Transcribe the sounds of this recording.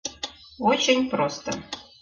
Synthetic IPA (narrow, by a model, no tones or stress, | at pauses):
ot͡ɕenʲprost̪ə